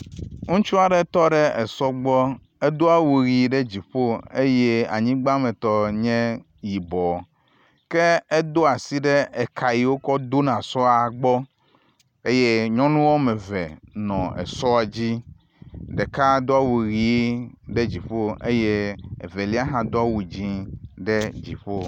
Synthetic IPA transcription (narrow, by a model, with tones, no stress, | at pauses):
ŋũ˦t͡ʃu˦a˨ɖe˦t̪ɔ˦ɖe˦e˨sɔ˦ɡ͡bɔ˦ | e˦d̪o˦a˦wu˨ɣi˨˦ɖe˦d͡ʑi˨ɸo˦e˦je˦a̰˨ɲĩ˦ɡ͡ba˦mẽ˨t̪ɔ˦ɲɛ̃˦ | ji˨bɔ˨ | ke˦ɛ˦d̪o˦a˨si˦ɖe˦ɛ˨kʰa˨ji˨wo˦kɔ˦d̪o˦nã˨sɔ˦a˨ɡ͡bɔ˦ | e˦je˦ɲɔ̃˦nũ˦wo˦mɛ̃˨vɛ˨nɔ̃˨ḛ˨sɔ˦a˨d͡ʑi˦ | ɖɛ˨ka˦d̪o˦a˦wu˨ɣi˨˦ɖe˦d͡ʑi˨ɸo˦e˦je˦ḛ˨ve˨li˦a˦ɦã˨d̪o˦a˦wu˨d͡ʑĩ˦ɖe˦d͡ʑḭ˨ɸo˦